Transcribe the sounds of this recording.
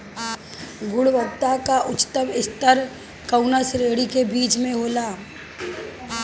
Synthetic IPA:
ɡʊɽʋəɡ̚t̪akaʔʊt͡ʃt̪əbɪst̪əɾ | kəʊnəsɾeːɽikebiːt͡ʃmẽɦoːlaː

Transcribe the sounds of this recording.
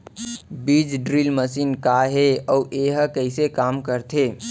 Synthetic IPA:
biːd͡ʒɖɾilməsiːnkaɦeɔːʔeɦkəɪsekaːmkəɾt̪ʰe

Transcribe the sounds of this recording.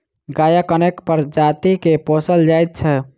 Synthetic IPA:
ɡajəkənekpəɾd͡ʒat̪ikeposəld͡ʒajt̪̚t͡ʃʰɛ

